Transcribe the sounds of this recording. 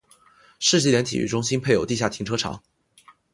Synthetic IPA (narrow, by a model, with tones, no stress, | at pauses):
ʂɻ̩˥˧t͡ɕi˥˩ljɛ˥nt̪ʰḭ˨˩y̰˥˧ʈ͡ʂʊ˥ŋɕi˥npʰe˥˩ɪjo˨˩ʊt̪i˥˧ɕja˥˩t̪ʰi˧˥ŋʈ͡ʂʰɤ˥ʈ͡ʂʰɑ̰˧˥ŋ